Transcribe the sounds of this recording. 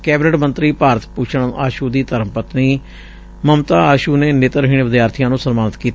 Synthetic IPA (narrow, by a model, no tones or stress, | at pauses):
kɛːbnəʈmənt̪ɾiːpaːɾət̪pʊt͡ʃʰəɳaːʃuːd̪iːt̪əɾəmpət̪niː | məmt̪aːaːʃuːneːneːt̪əɾɦiːɳʋɪd̪jaːɾt̪ʰijãːnũːsənmaːnɪt̪kiːt̪